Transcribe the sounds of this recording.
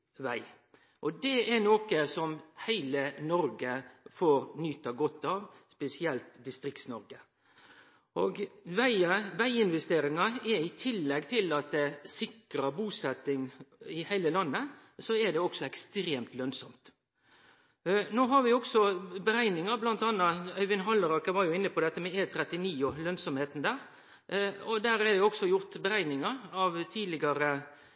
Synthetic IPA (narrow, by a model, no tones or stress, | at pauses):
ʋæɪ | ʔɔd̪ɛɛnoːkəsɔmhæɪlənɔɾɡəfoːɾnyːt̪ɑɡɔt̪ːɑʋspɛsɪɛlt̪d̪ɪst̪ɾɪkt̪snɔɾɡə | ʔoːɡʋæɪəʋæɪɪnʋɛst̪eːɾɪŋɑɛɾɪt̪ʰɪlːɛɡt̪ʰɪlɑt̪̚d̪ɛsɪkɾɑbuːsɛt̪ːɪŋɪhæɪləlɑnːəsɔɛd̪ɛɔksɔɛkst̪ɾeːmt̪lœnsɔmt̪ | noːɦɑɾʋɪɔɡsɔbəɾæɪnɪŋɑɾblɑnt̪ɑːnːɑœʏʋɪnɦɑlːəɾɑkːəʋɑɾjʊɪnːəpʰɔd̪ɛt̪ːəmɛeːt̪ʰɾɛt̪ːɪniːʊlœnsɔmheːt̪n̩d̪æːɾ | ɔd̪æːɾɛd̪ɛɔɡsɔjʊɾt̪bəɾæɪnɪŋɑɾɑʋt̪ʰiːd̪lɪɡɑɾə